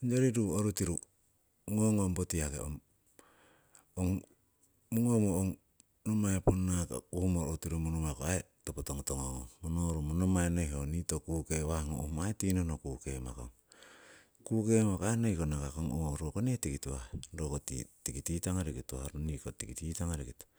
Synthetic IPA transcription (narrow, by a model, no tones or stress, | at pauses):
ond͡ʒoɾiɾuoɾutiɾu | ŋoŋombotiakḛo̰m | oŋ | muŋomooŋ | nomaeponːaka̰kuhumoɾotiɾumunomakoaetopotoŋotoŋoomonoɾomonomaenojɦonitokuːkeβahŋo̰ʔuhumaetinonokukema̰ko̰ŋ | kuke̞makoaenojkonakakoŋoɾokonetikituwahdokotḭtikititaŋaɾekitohaɾonikotikititaŋaɾekito̥